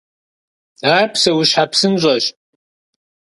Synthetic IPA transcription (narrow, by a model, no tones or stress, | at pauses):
aːrpsɐwʊɕħapsɨnʑʷʼɐɕ